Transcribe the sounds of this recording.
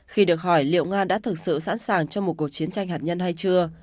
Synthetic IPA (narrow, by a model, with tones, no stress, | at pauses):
xi˧ɗɨ˨˩ək̚hɔ˧˩jlḭ˧˨ə˨wŋaː˧ɗa̰ː˧˥t̪ʰɨ˨˩k̚sɨ̰˧˨sa̰ː˧˥nsaː˨˩ŋt͡ɕɔ˧wŋ͡mmo˨˩t̚ku˨˩ək̚t͡ɕi˨˦ənt͡ɕa˧jŋ̟haː˨˩t̚ɲə˧nɦa˧jt͡ɕɨ˧ə